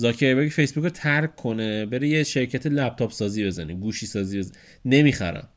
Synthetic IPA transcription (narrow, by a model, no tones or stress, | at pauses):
zɒːkʰeɾbeɡife̞jsbukʰot̪ʰæɾkkʰːo̞nebeɾejeʃeɾcʰæt̪ʰelæb̚t̪ʰɒːpsɒːziːbe̞zæniɡuːʃisɒːziːbez | ne̞mixæ̰ɾæ̰m